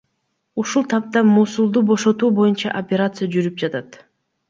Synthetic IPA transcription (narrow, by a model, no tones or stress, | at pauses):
uʃulˠt̪ʰɑp̚t̪ɑmuːsulˠd̪ubo̞ʃo̞t̪uːbo̞junt͡ʃɑ̰ʔopʲeɾat̪sɨjad͡ʒyɾyp̚d͡ʒɑt̪at̪